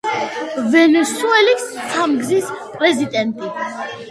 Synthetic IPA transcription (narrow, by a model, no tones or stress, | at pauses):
vɛnɛsuɛlisːamɡzispʼɾɛzid̪ʼɛnt̪ʼi